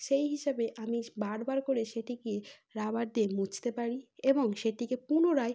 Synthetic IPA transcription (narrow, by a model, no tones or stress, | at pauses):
ʃejɦiʃabeʔamibaɾbaɾkoɾeʃeʈikie | ɾabaɾd̪iemut͡ɕʰt̪epaɾieboŋʃeʈikepunoɾaj